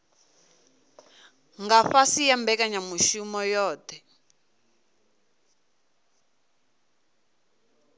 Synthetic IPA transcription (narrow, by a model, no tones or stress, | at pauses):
ŋɡaɸasijambɛkaɲamuʃumɔjɔːt̪ɛ